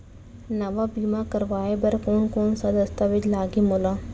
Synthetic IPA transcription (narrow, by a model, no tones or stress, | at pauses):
nəʋaːbiːmaːkəɾʋaːebəɾkoːnkoːnsəd̪əst̪aʋɪt͡ʃlaːɡimolãː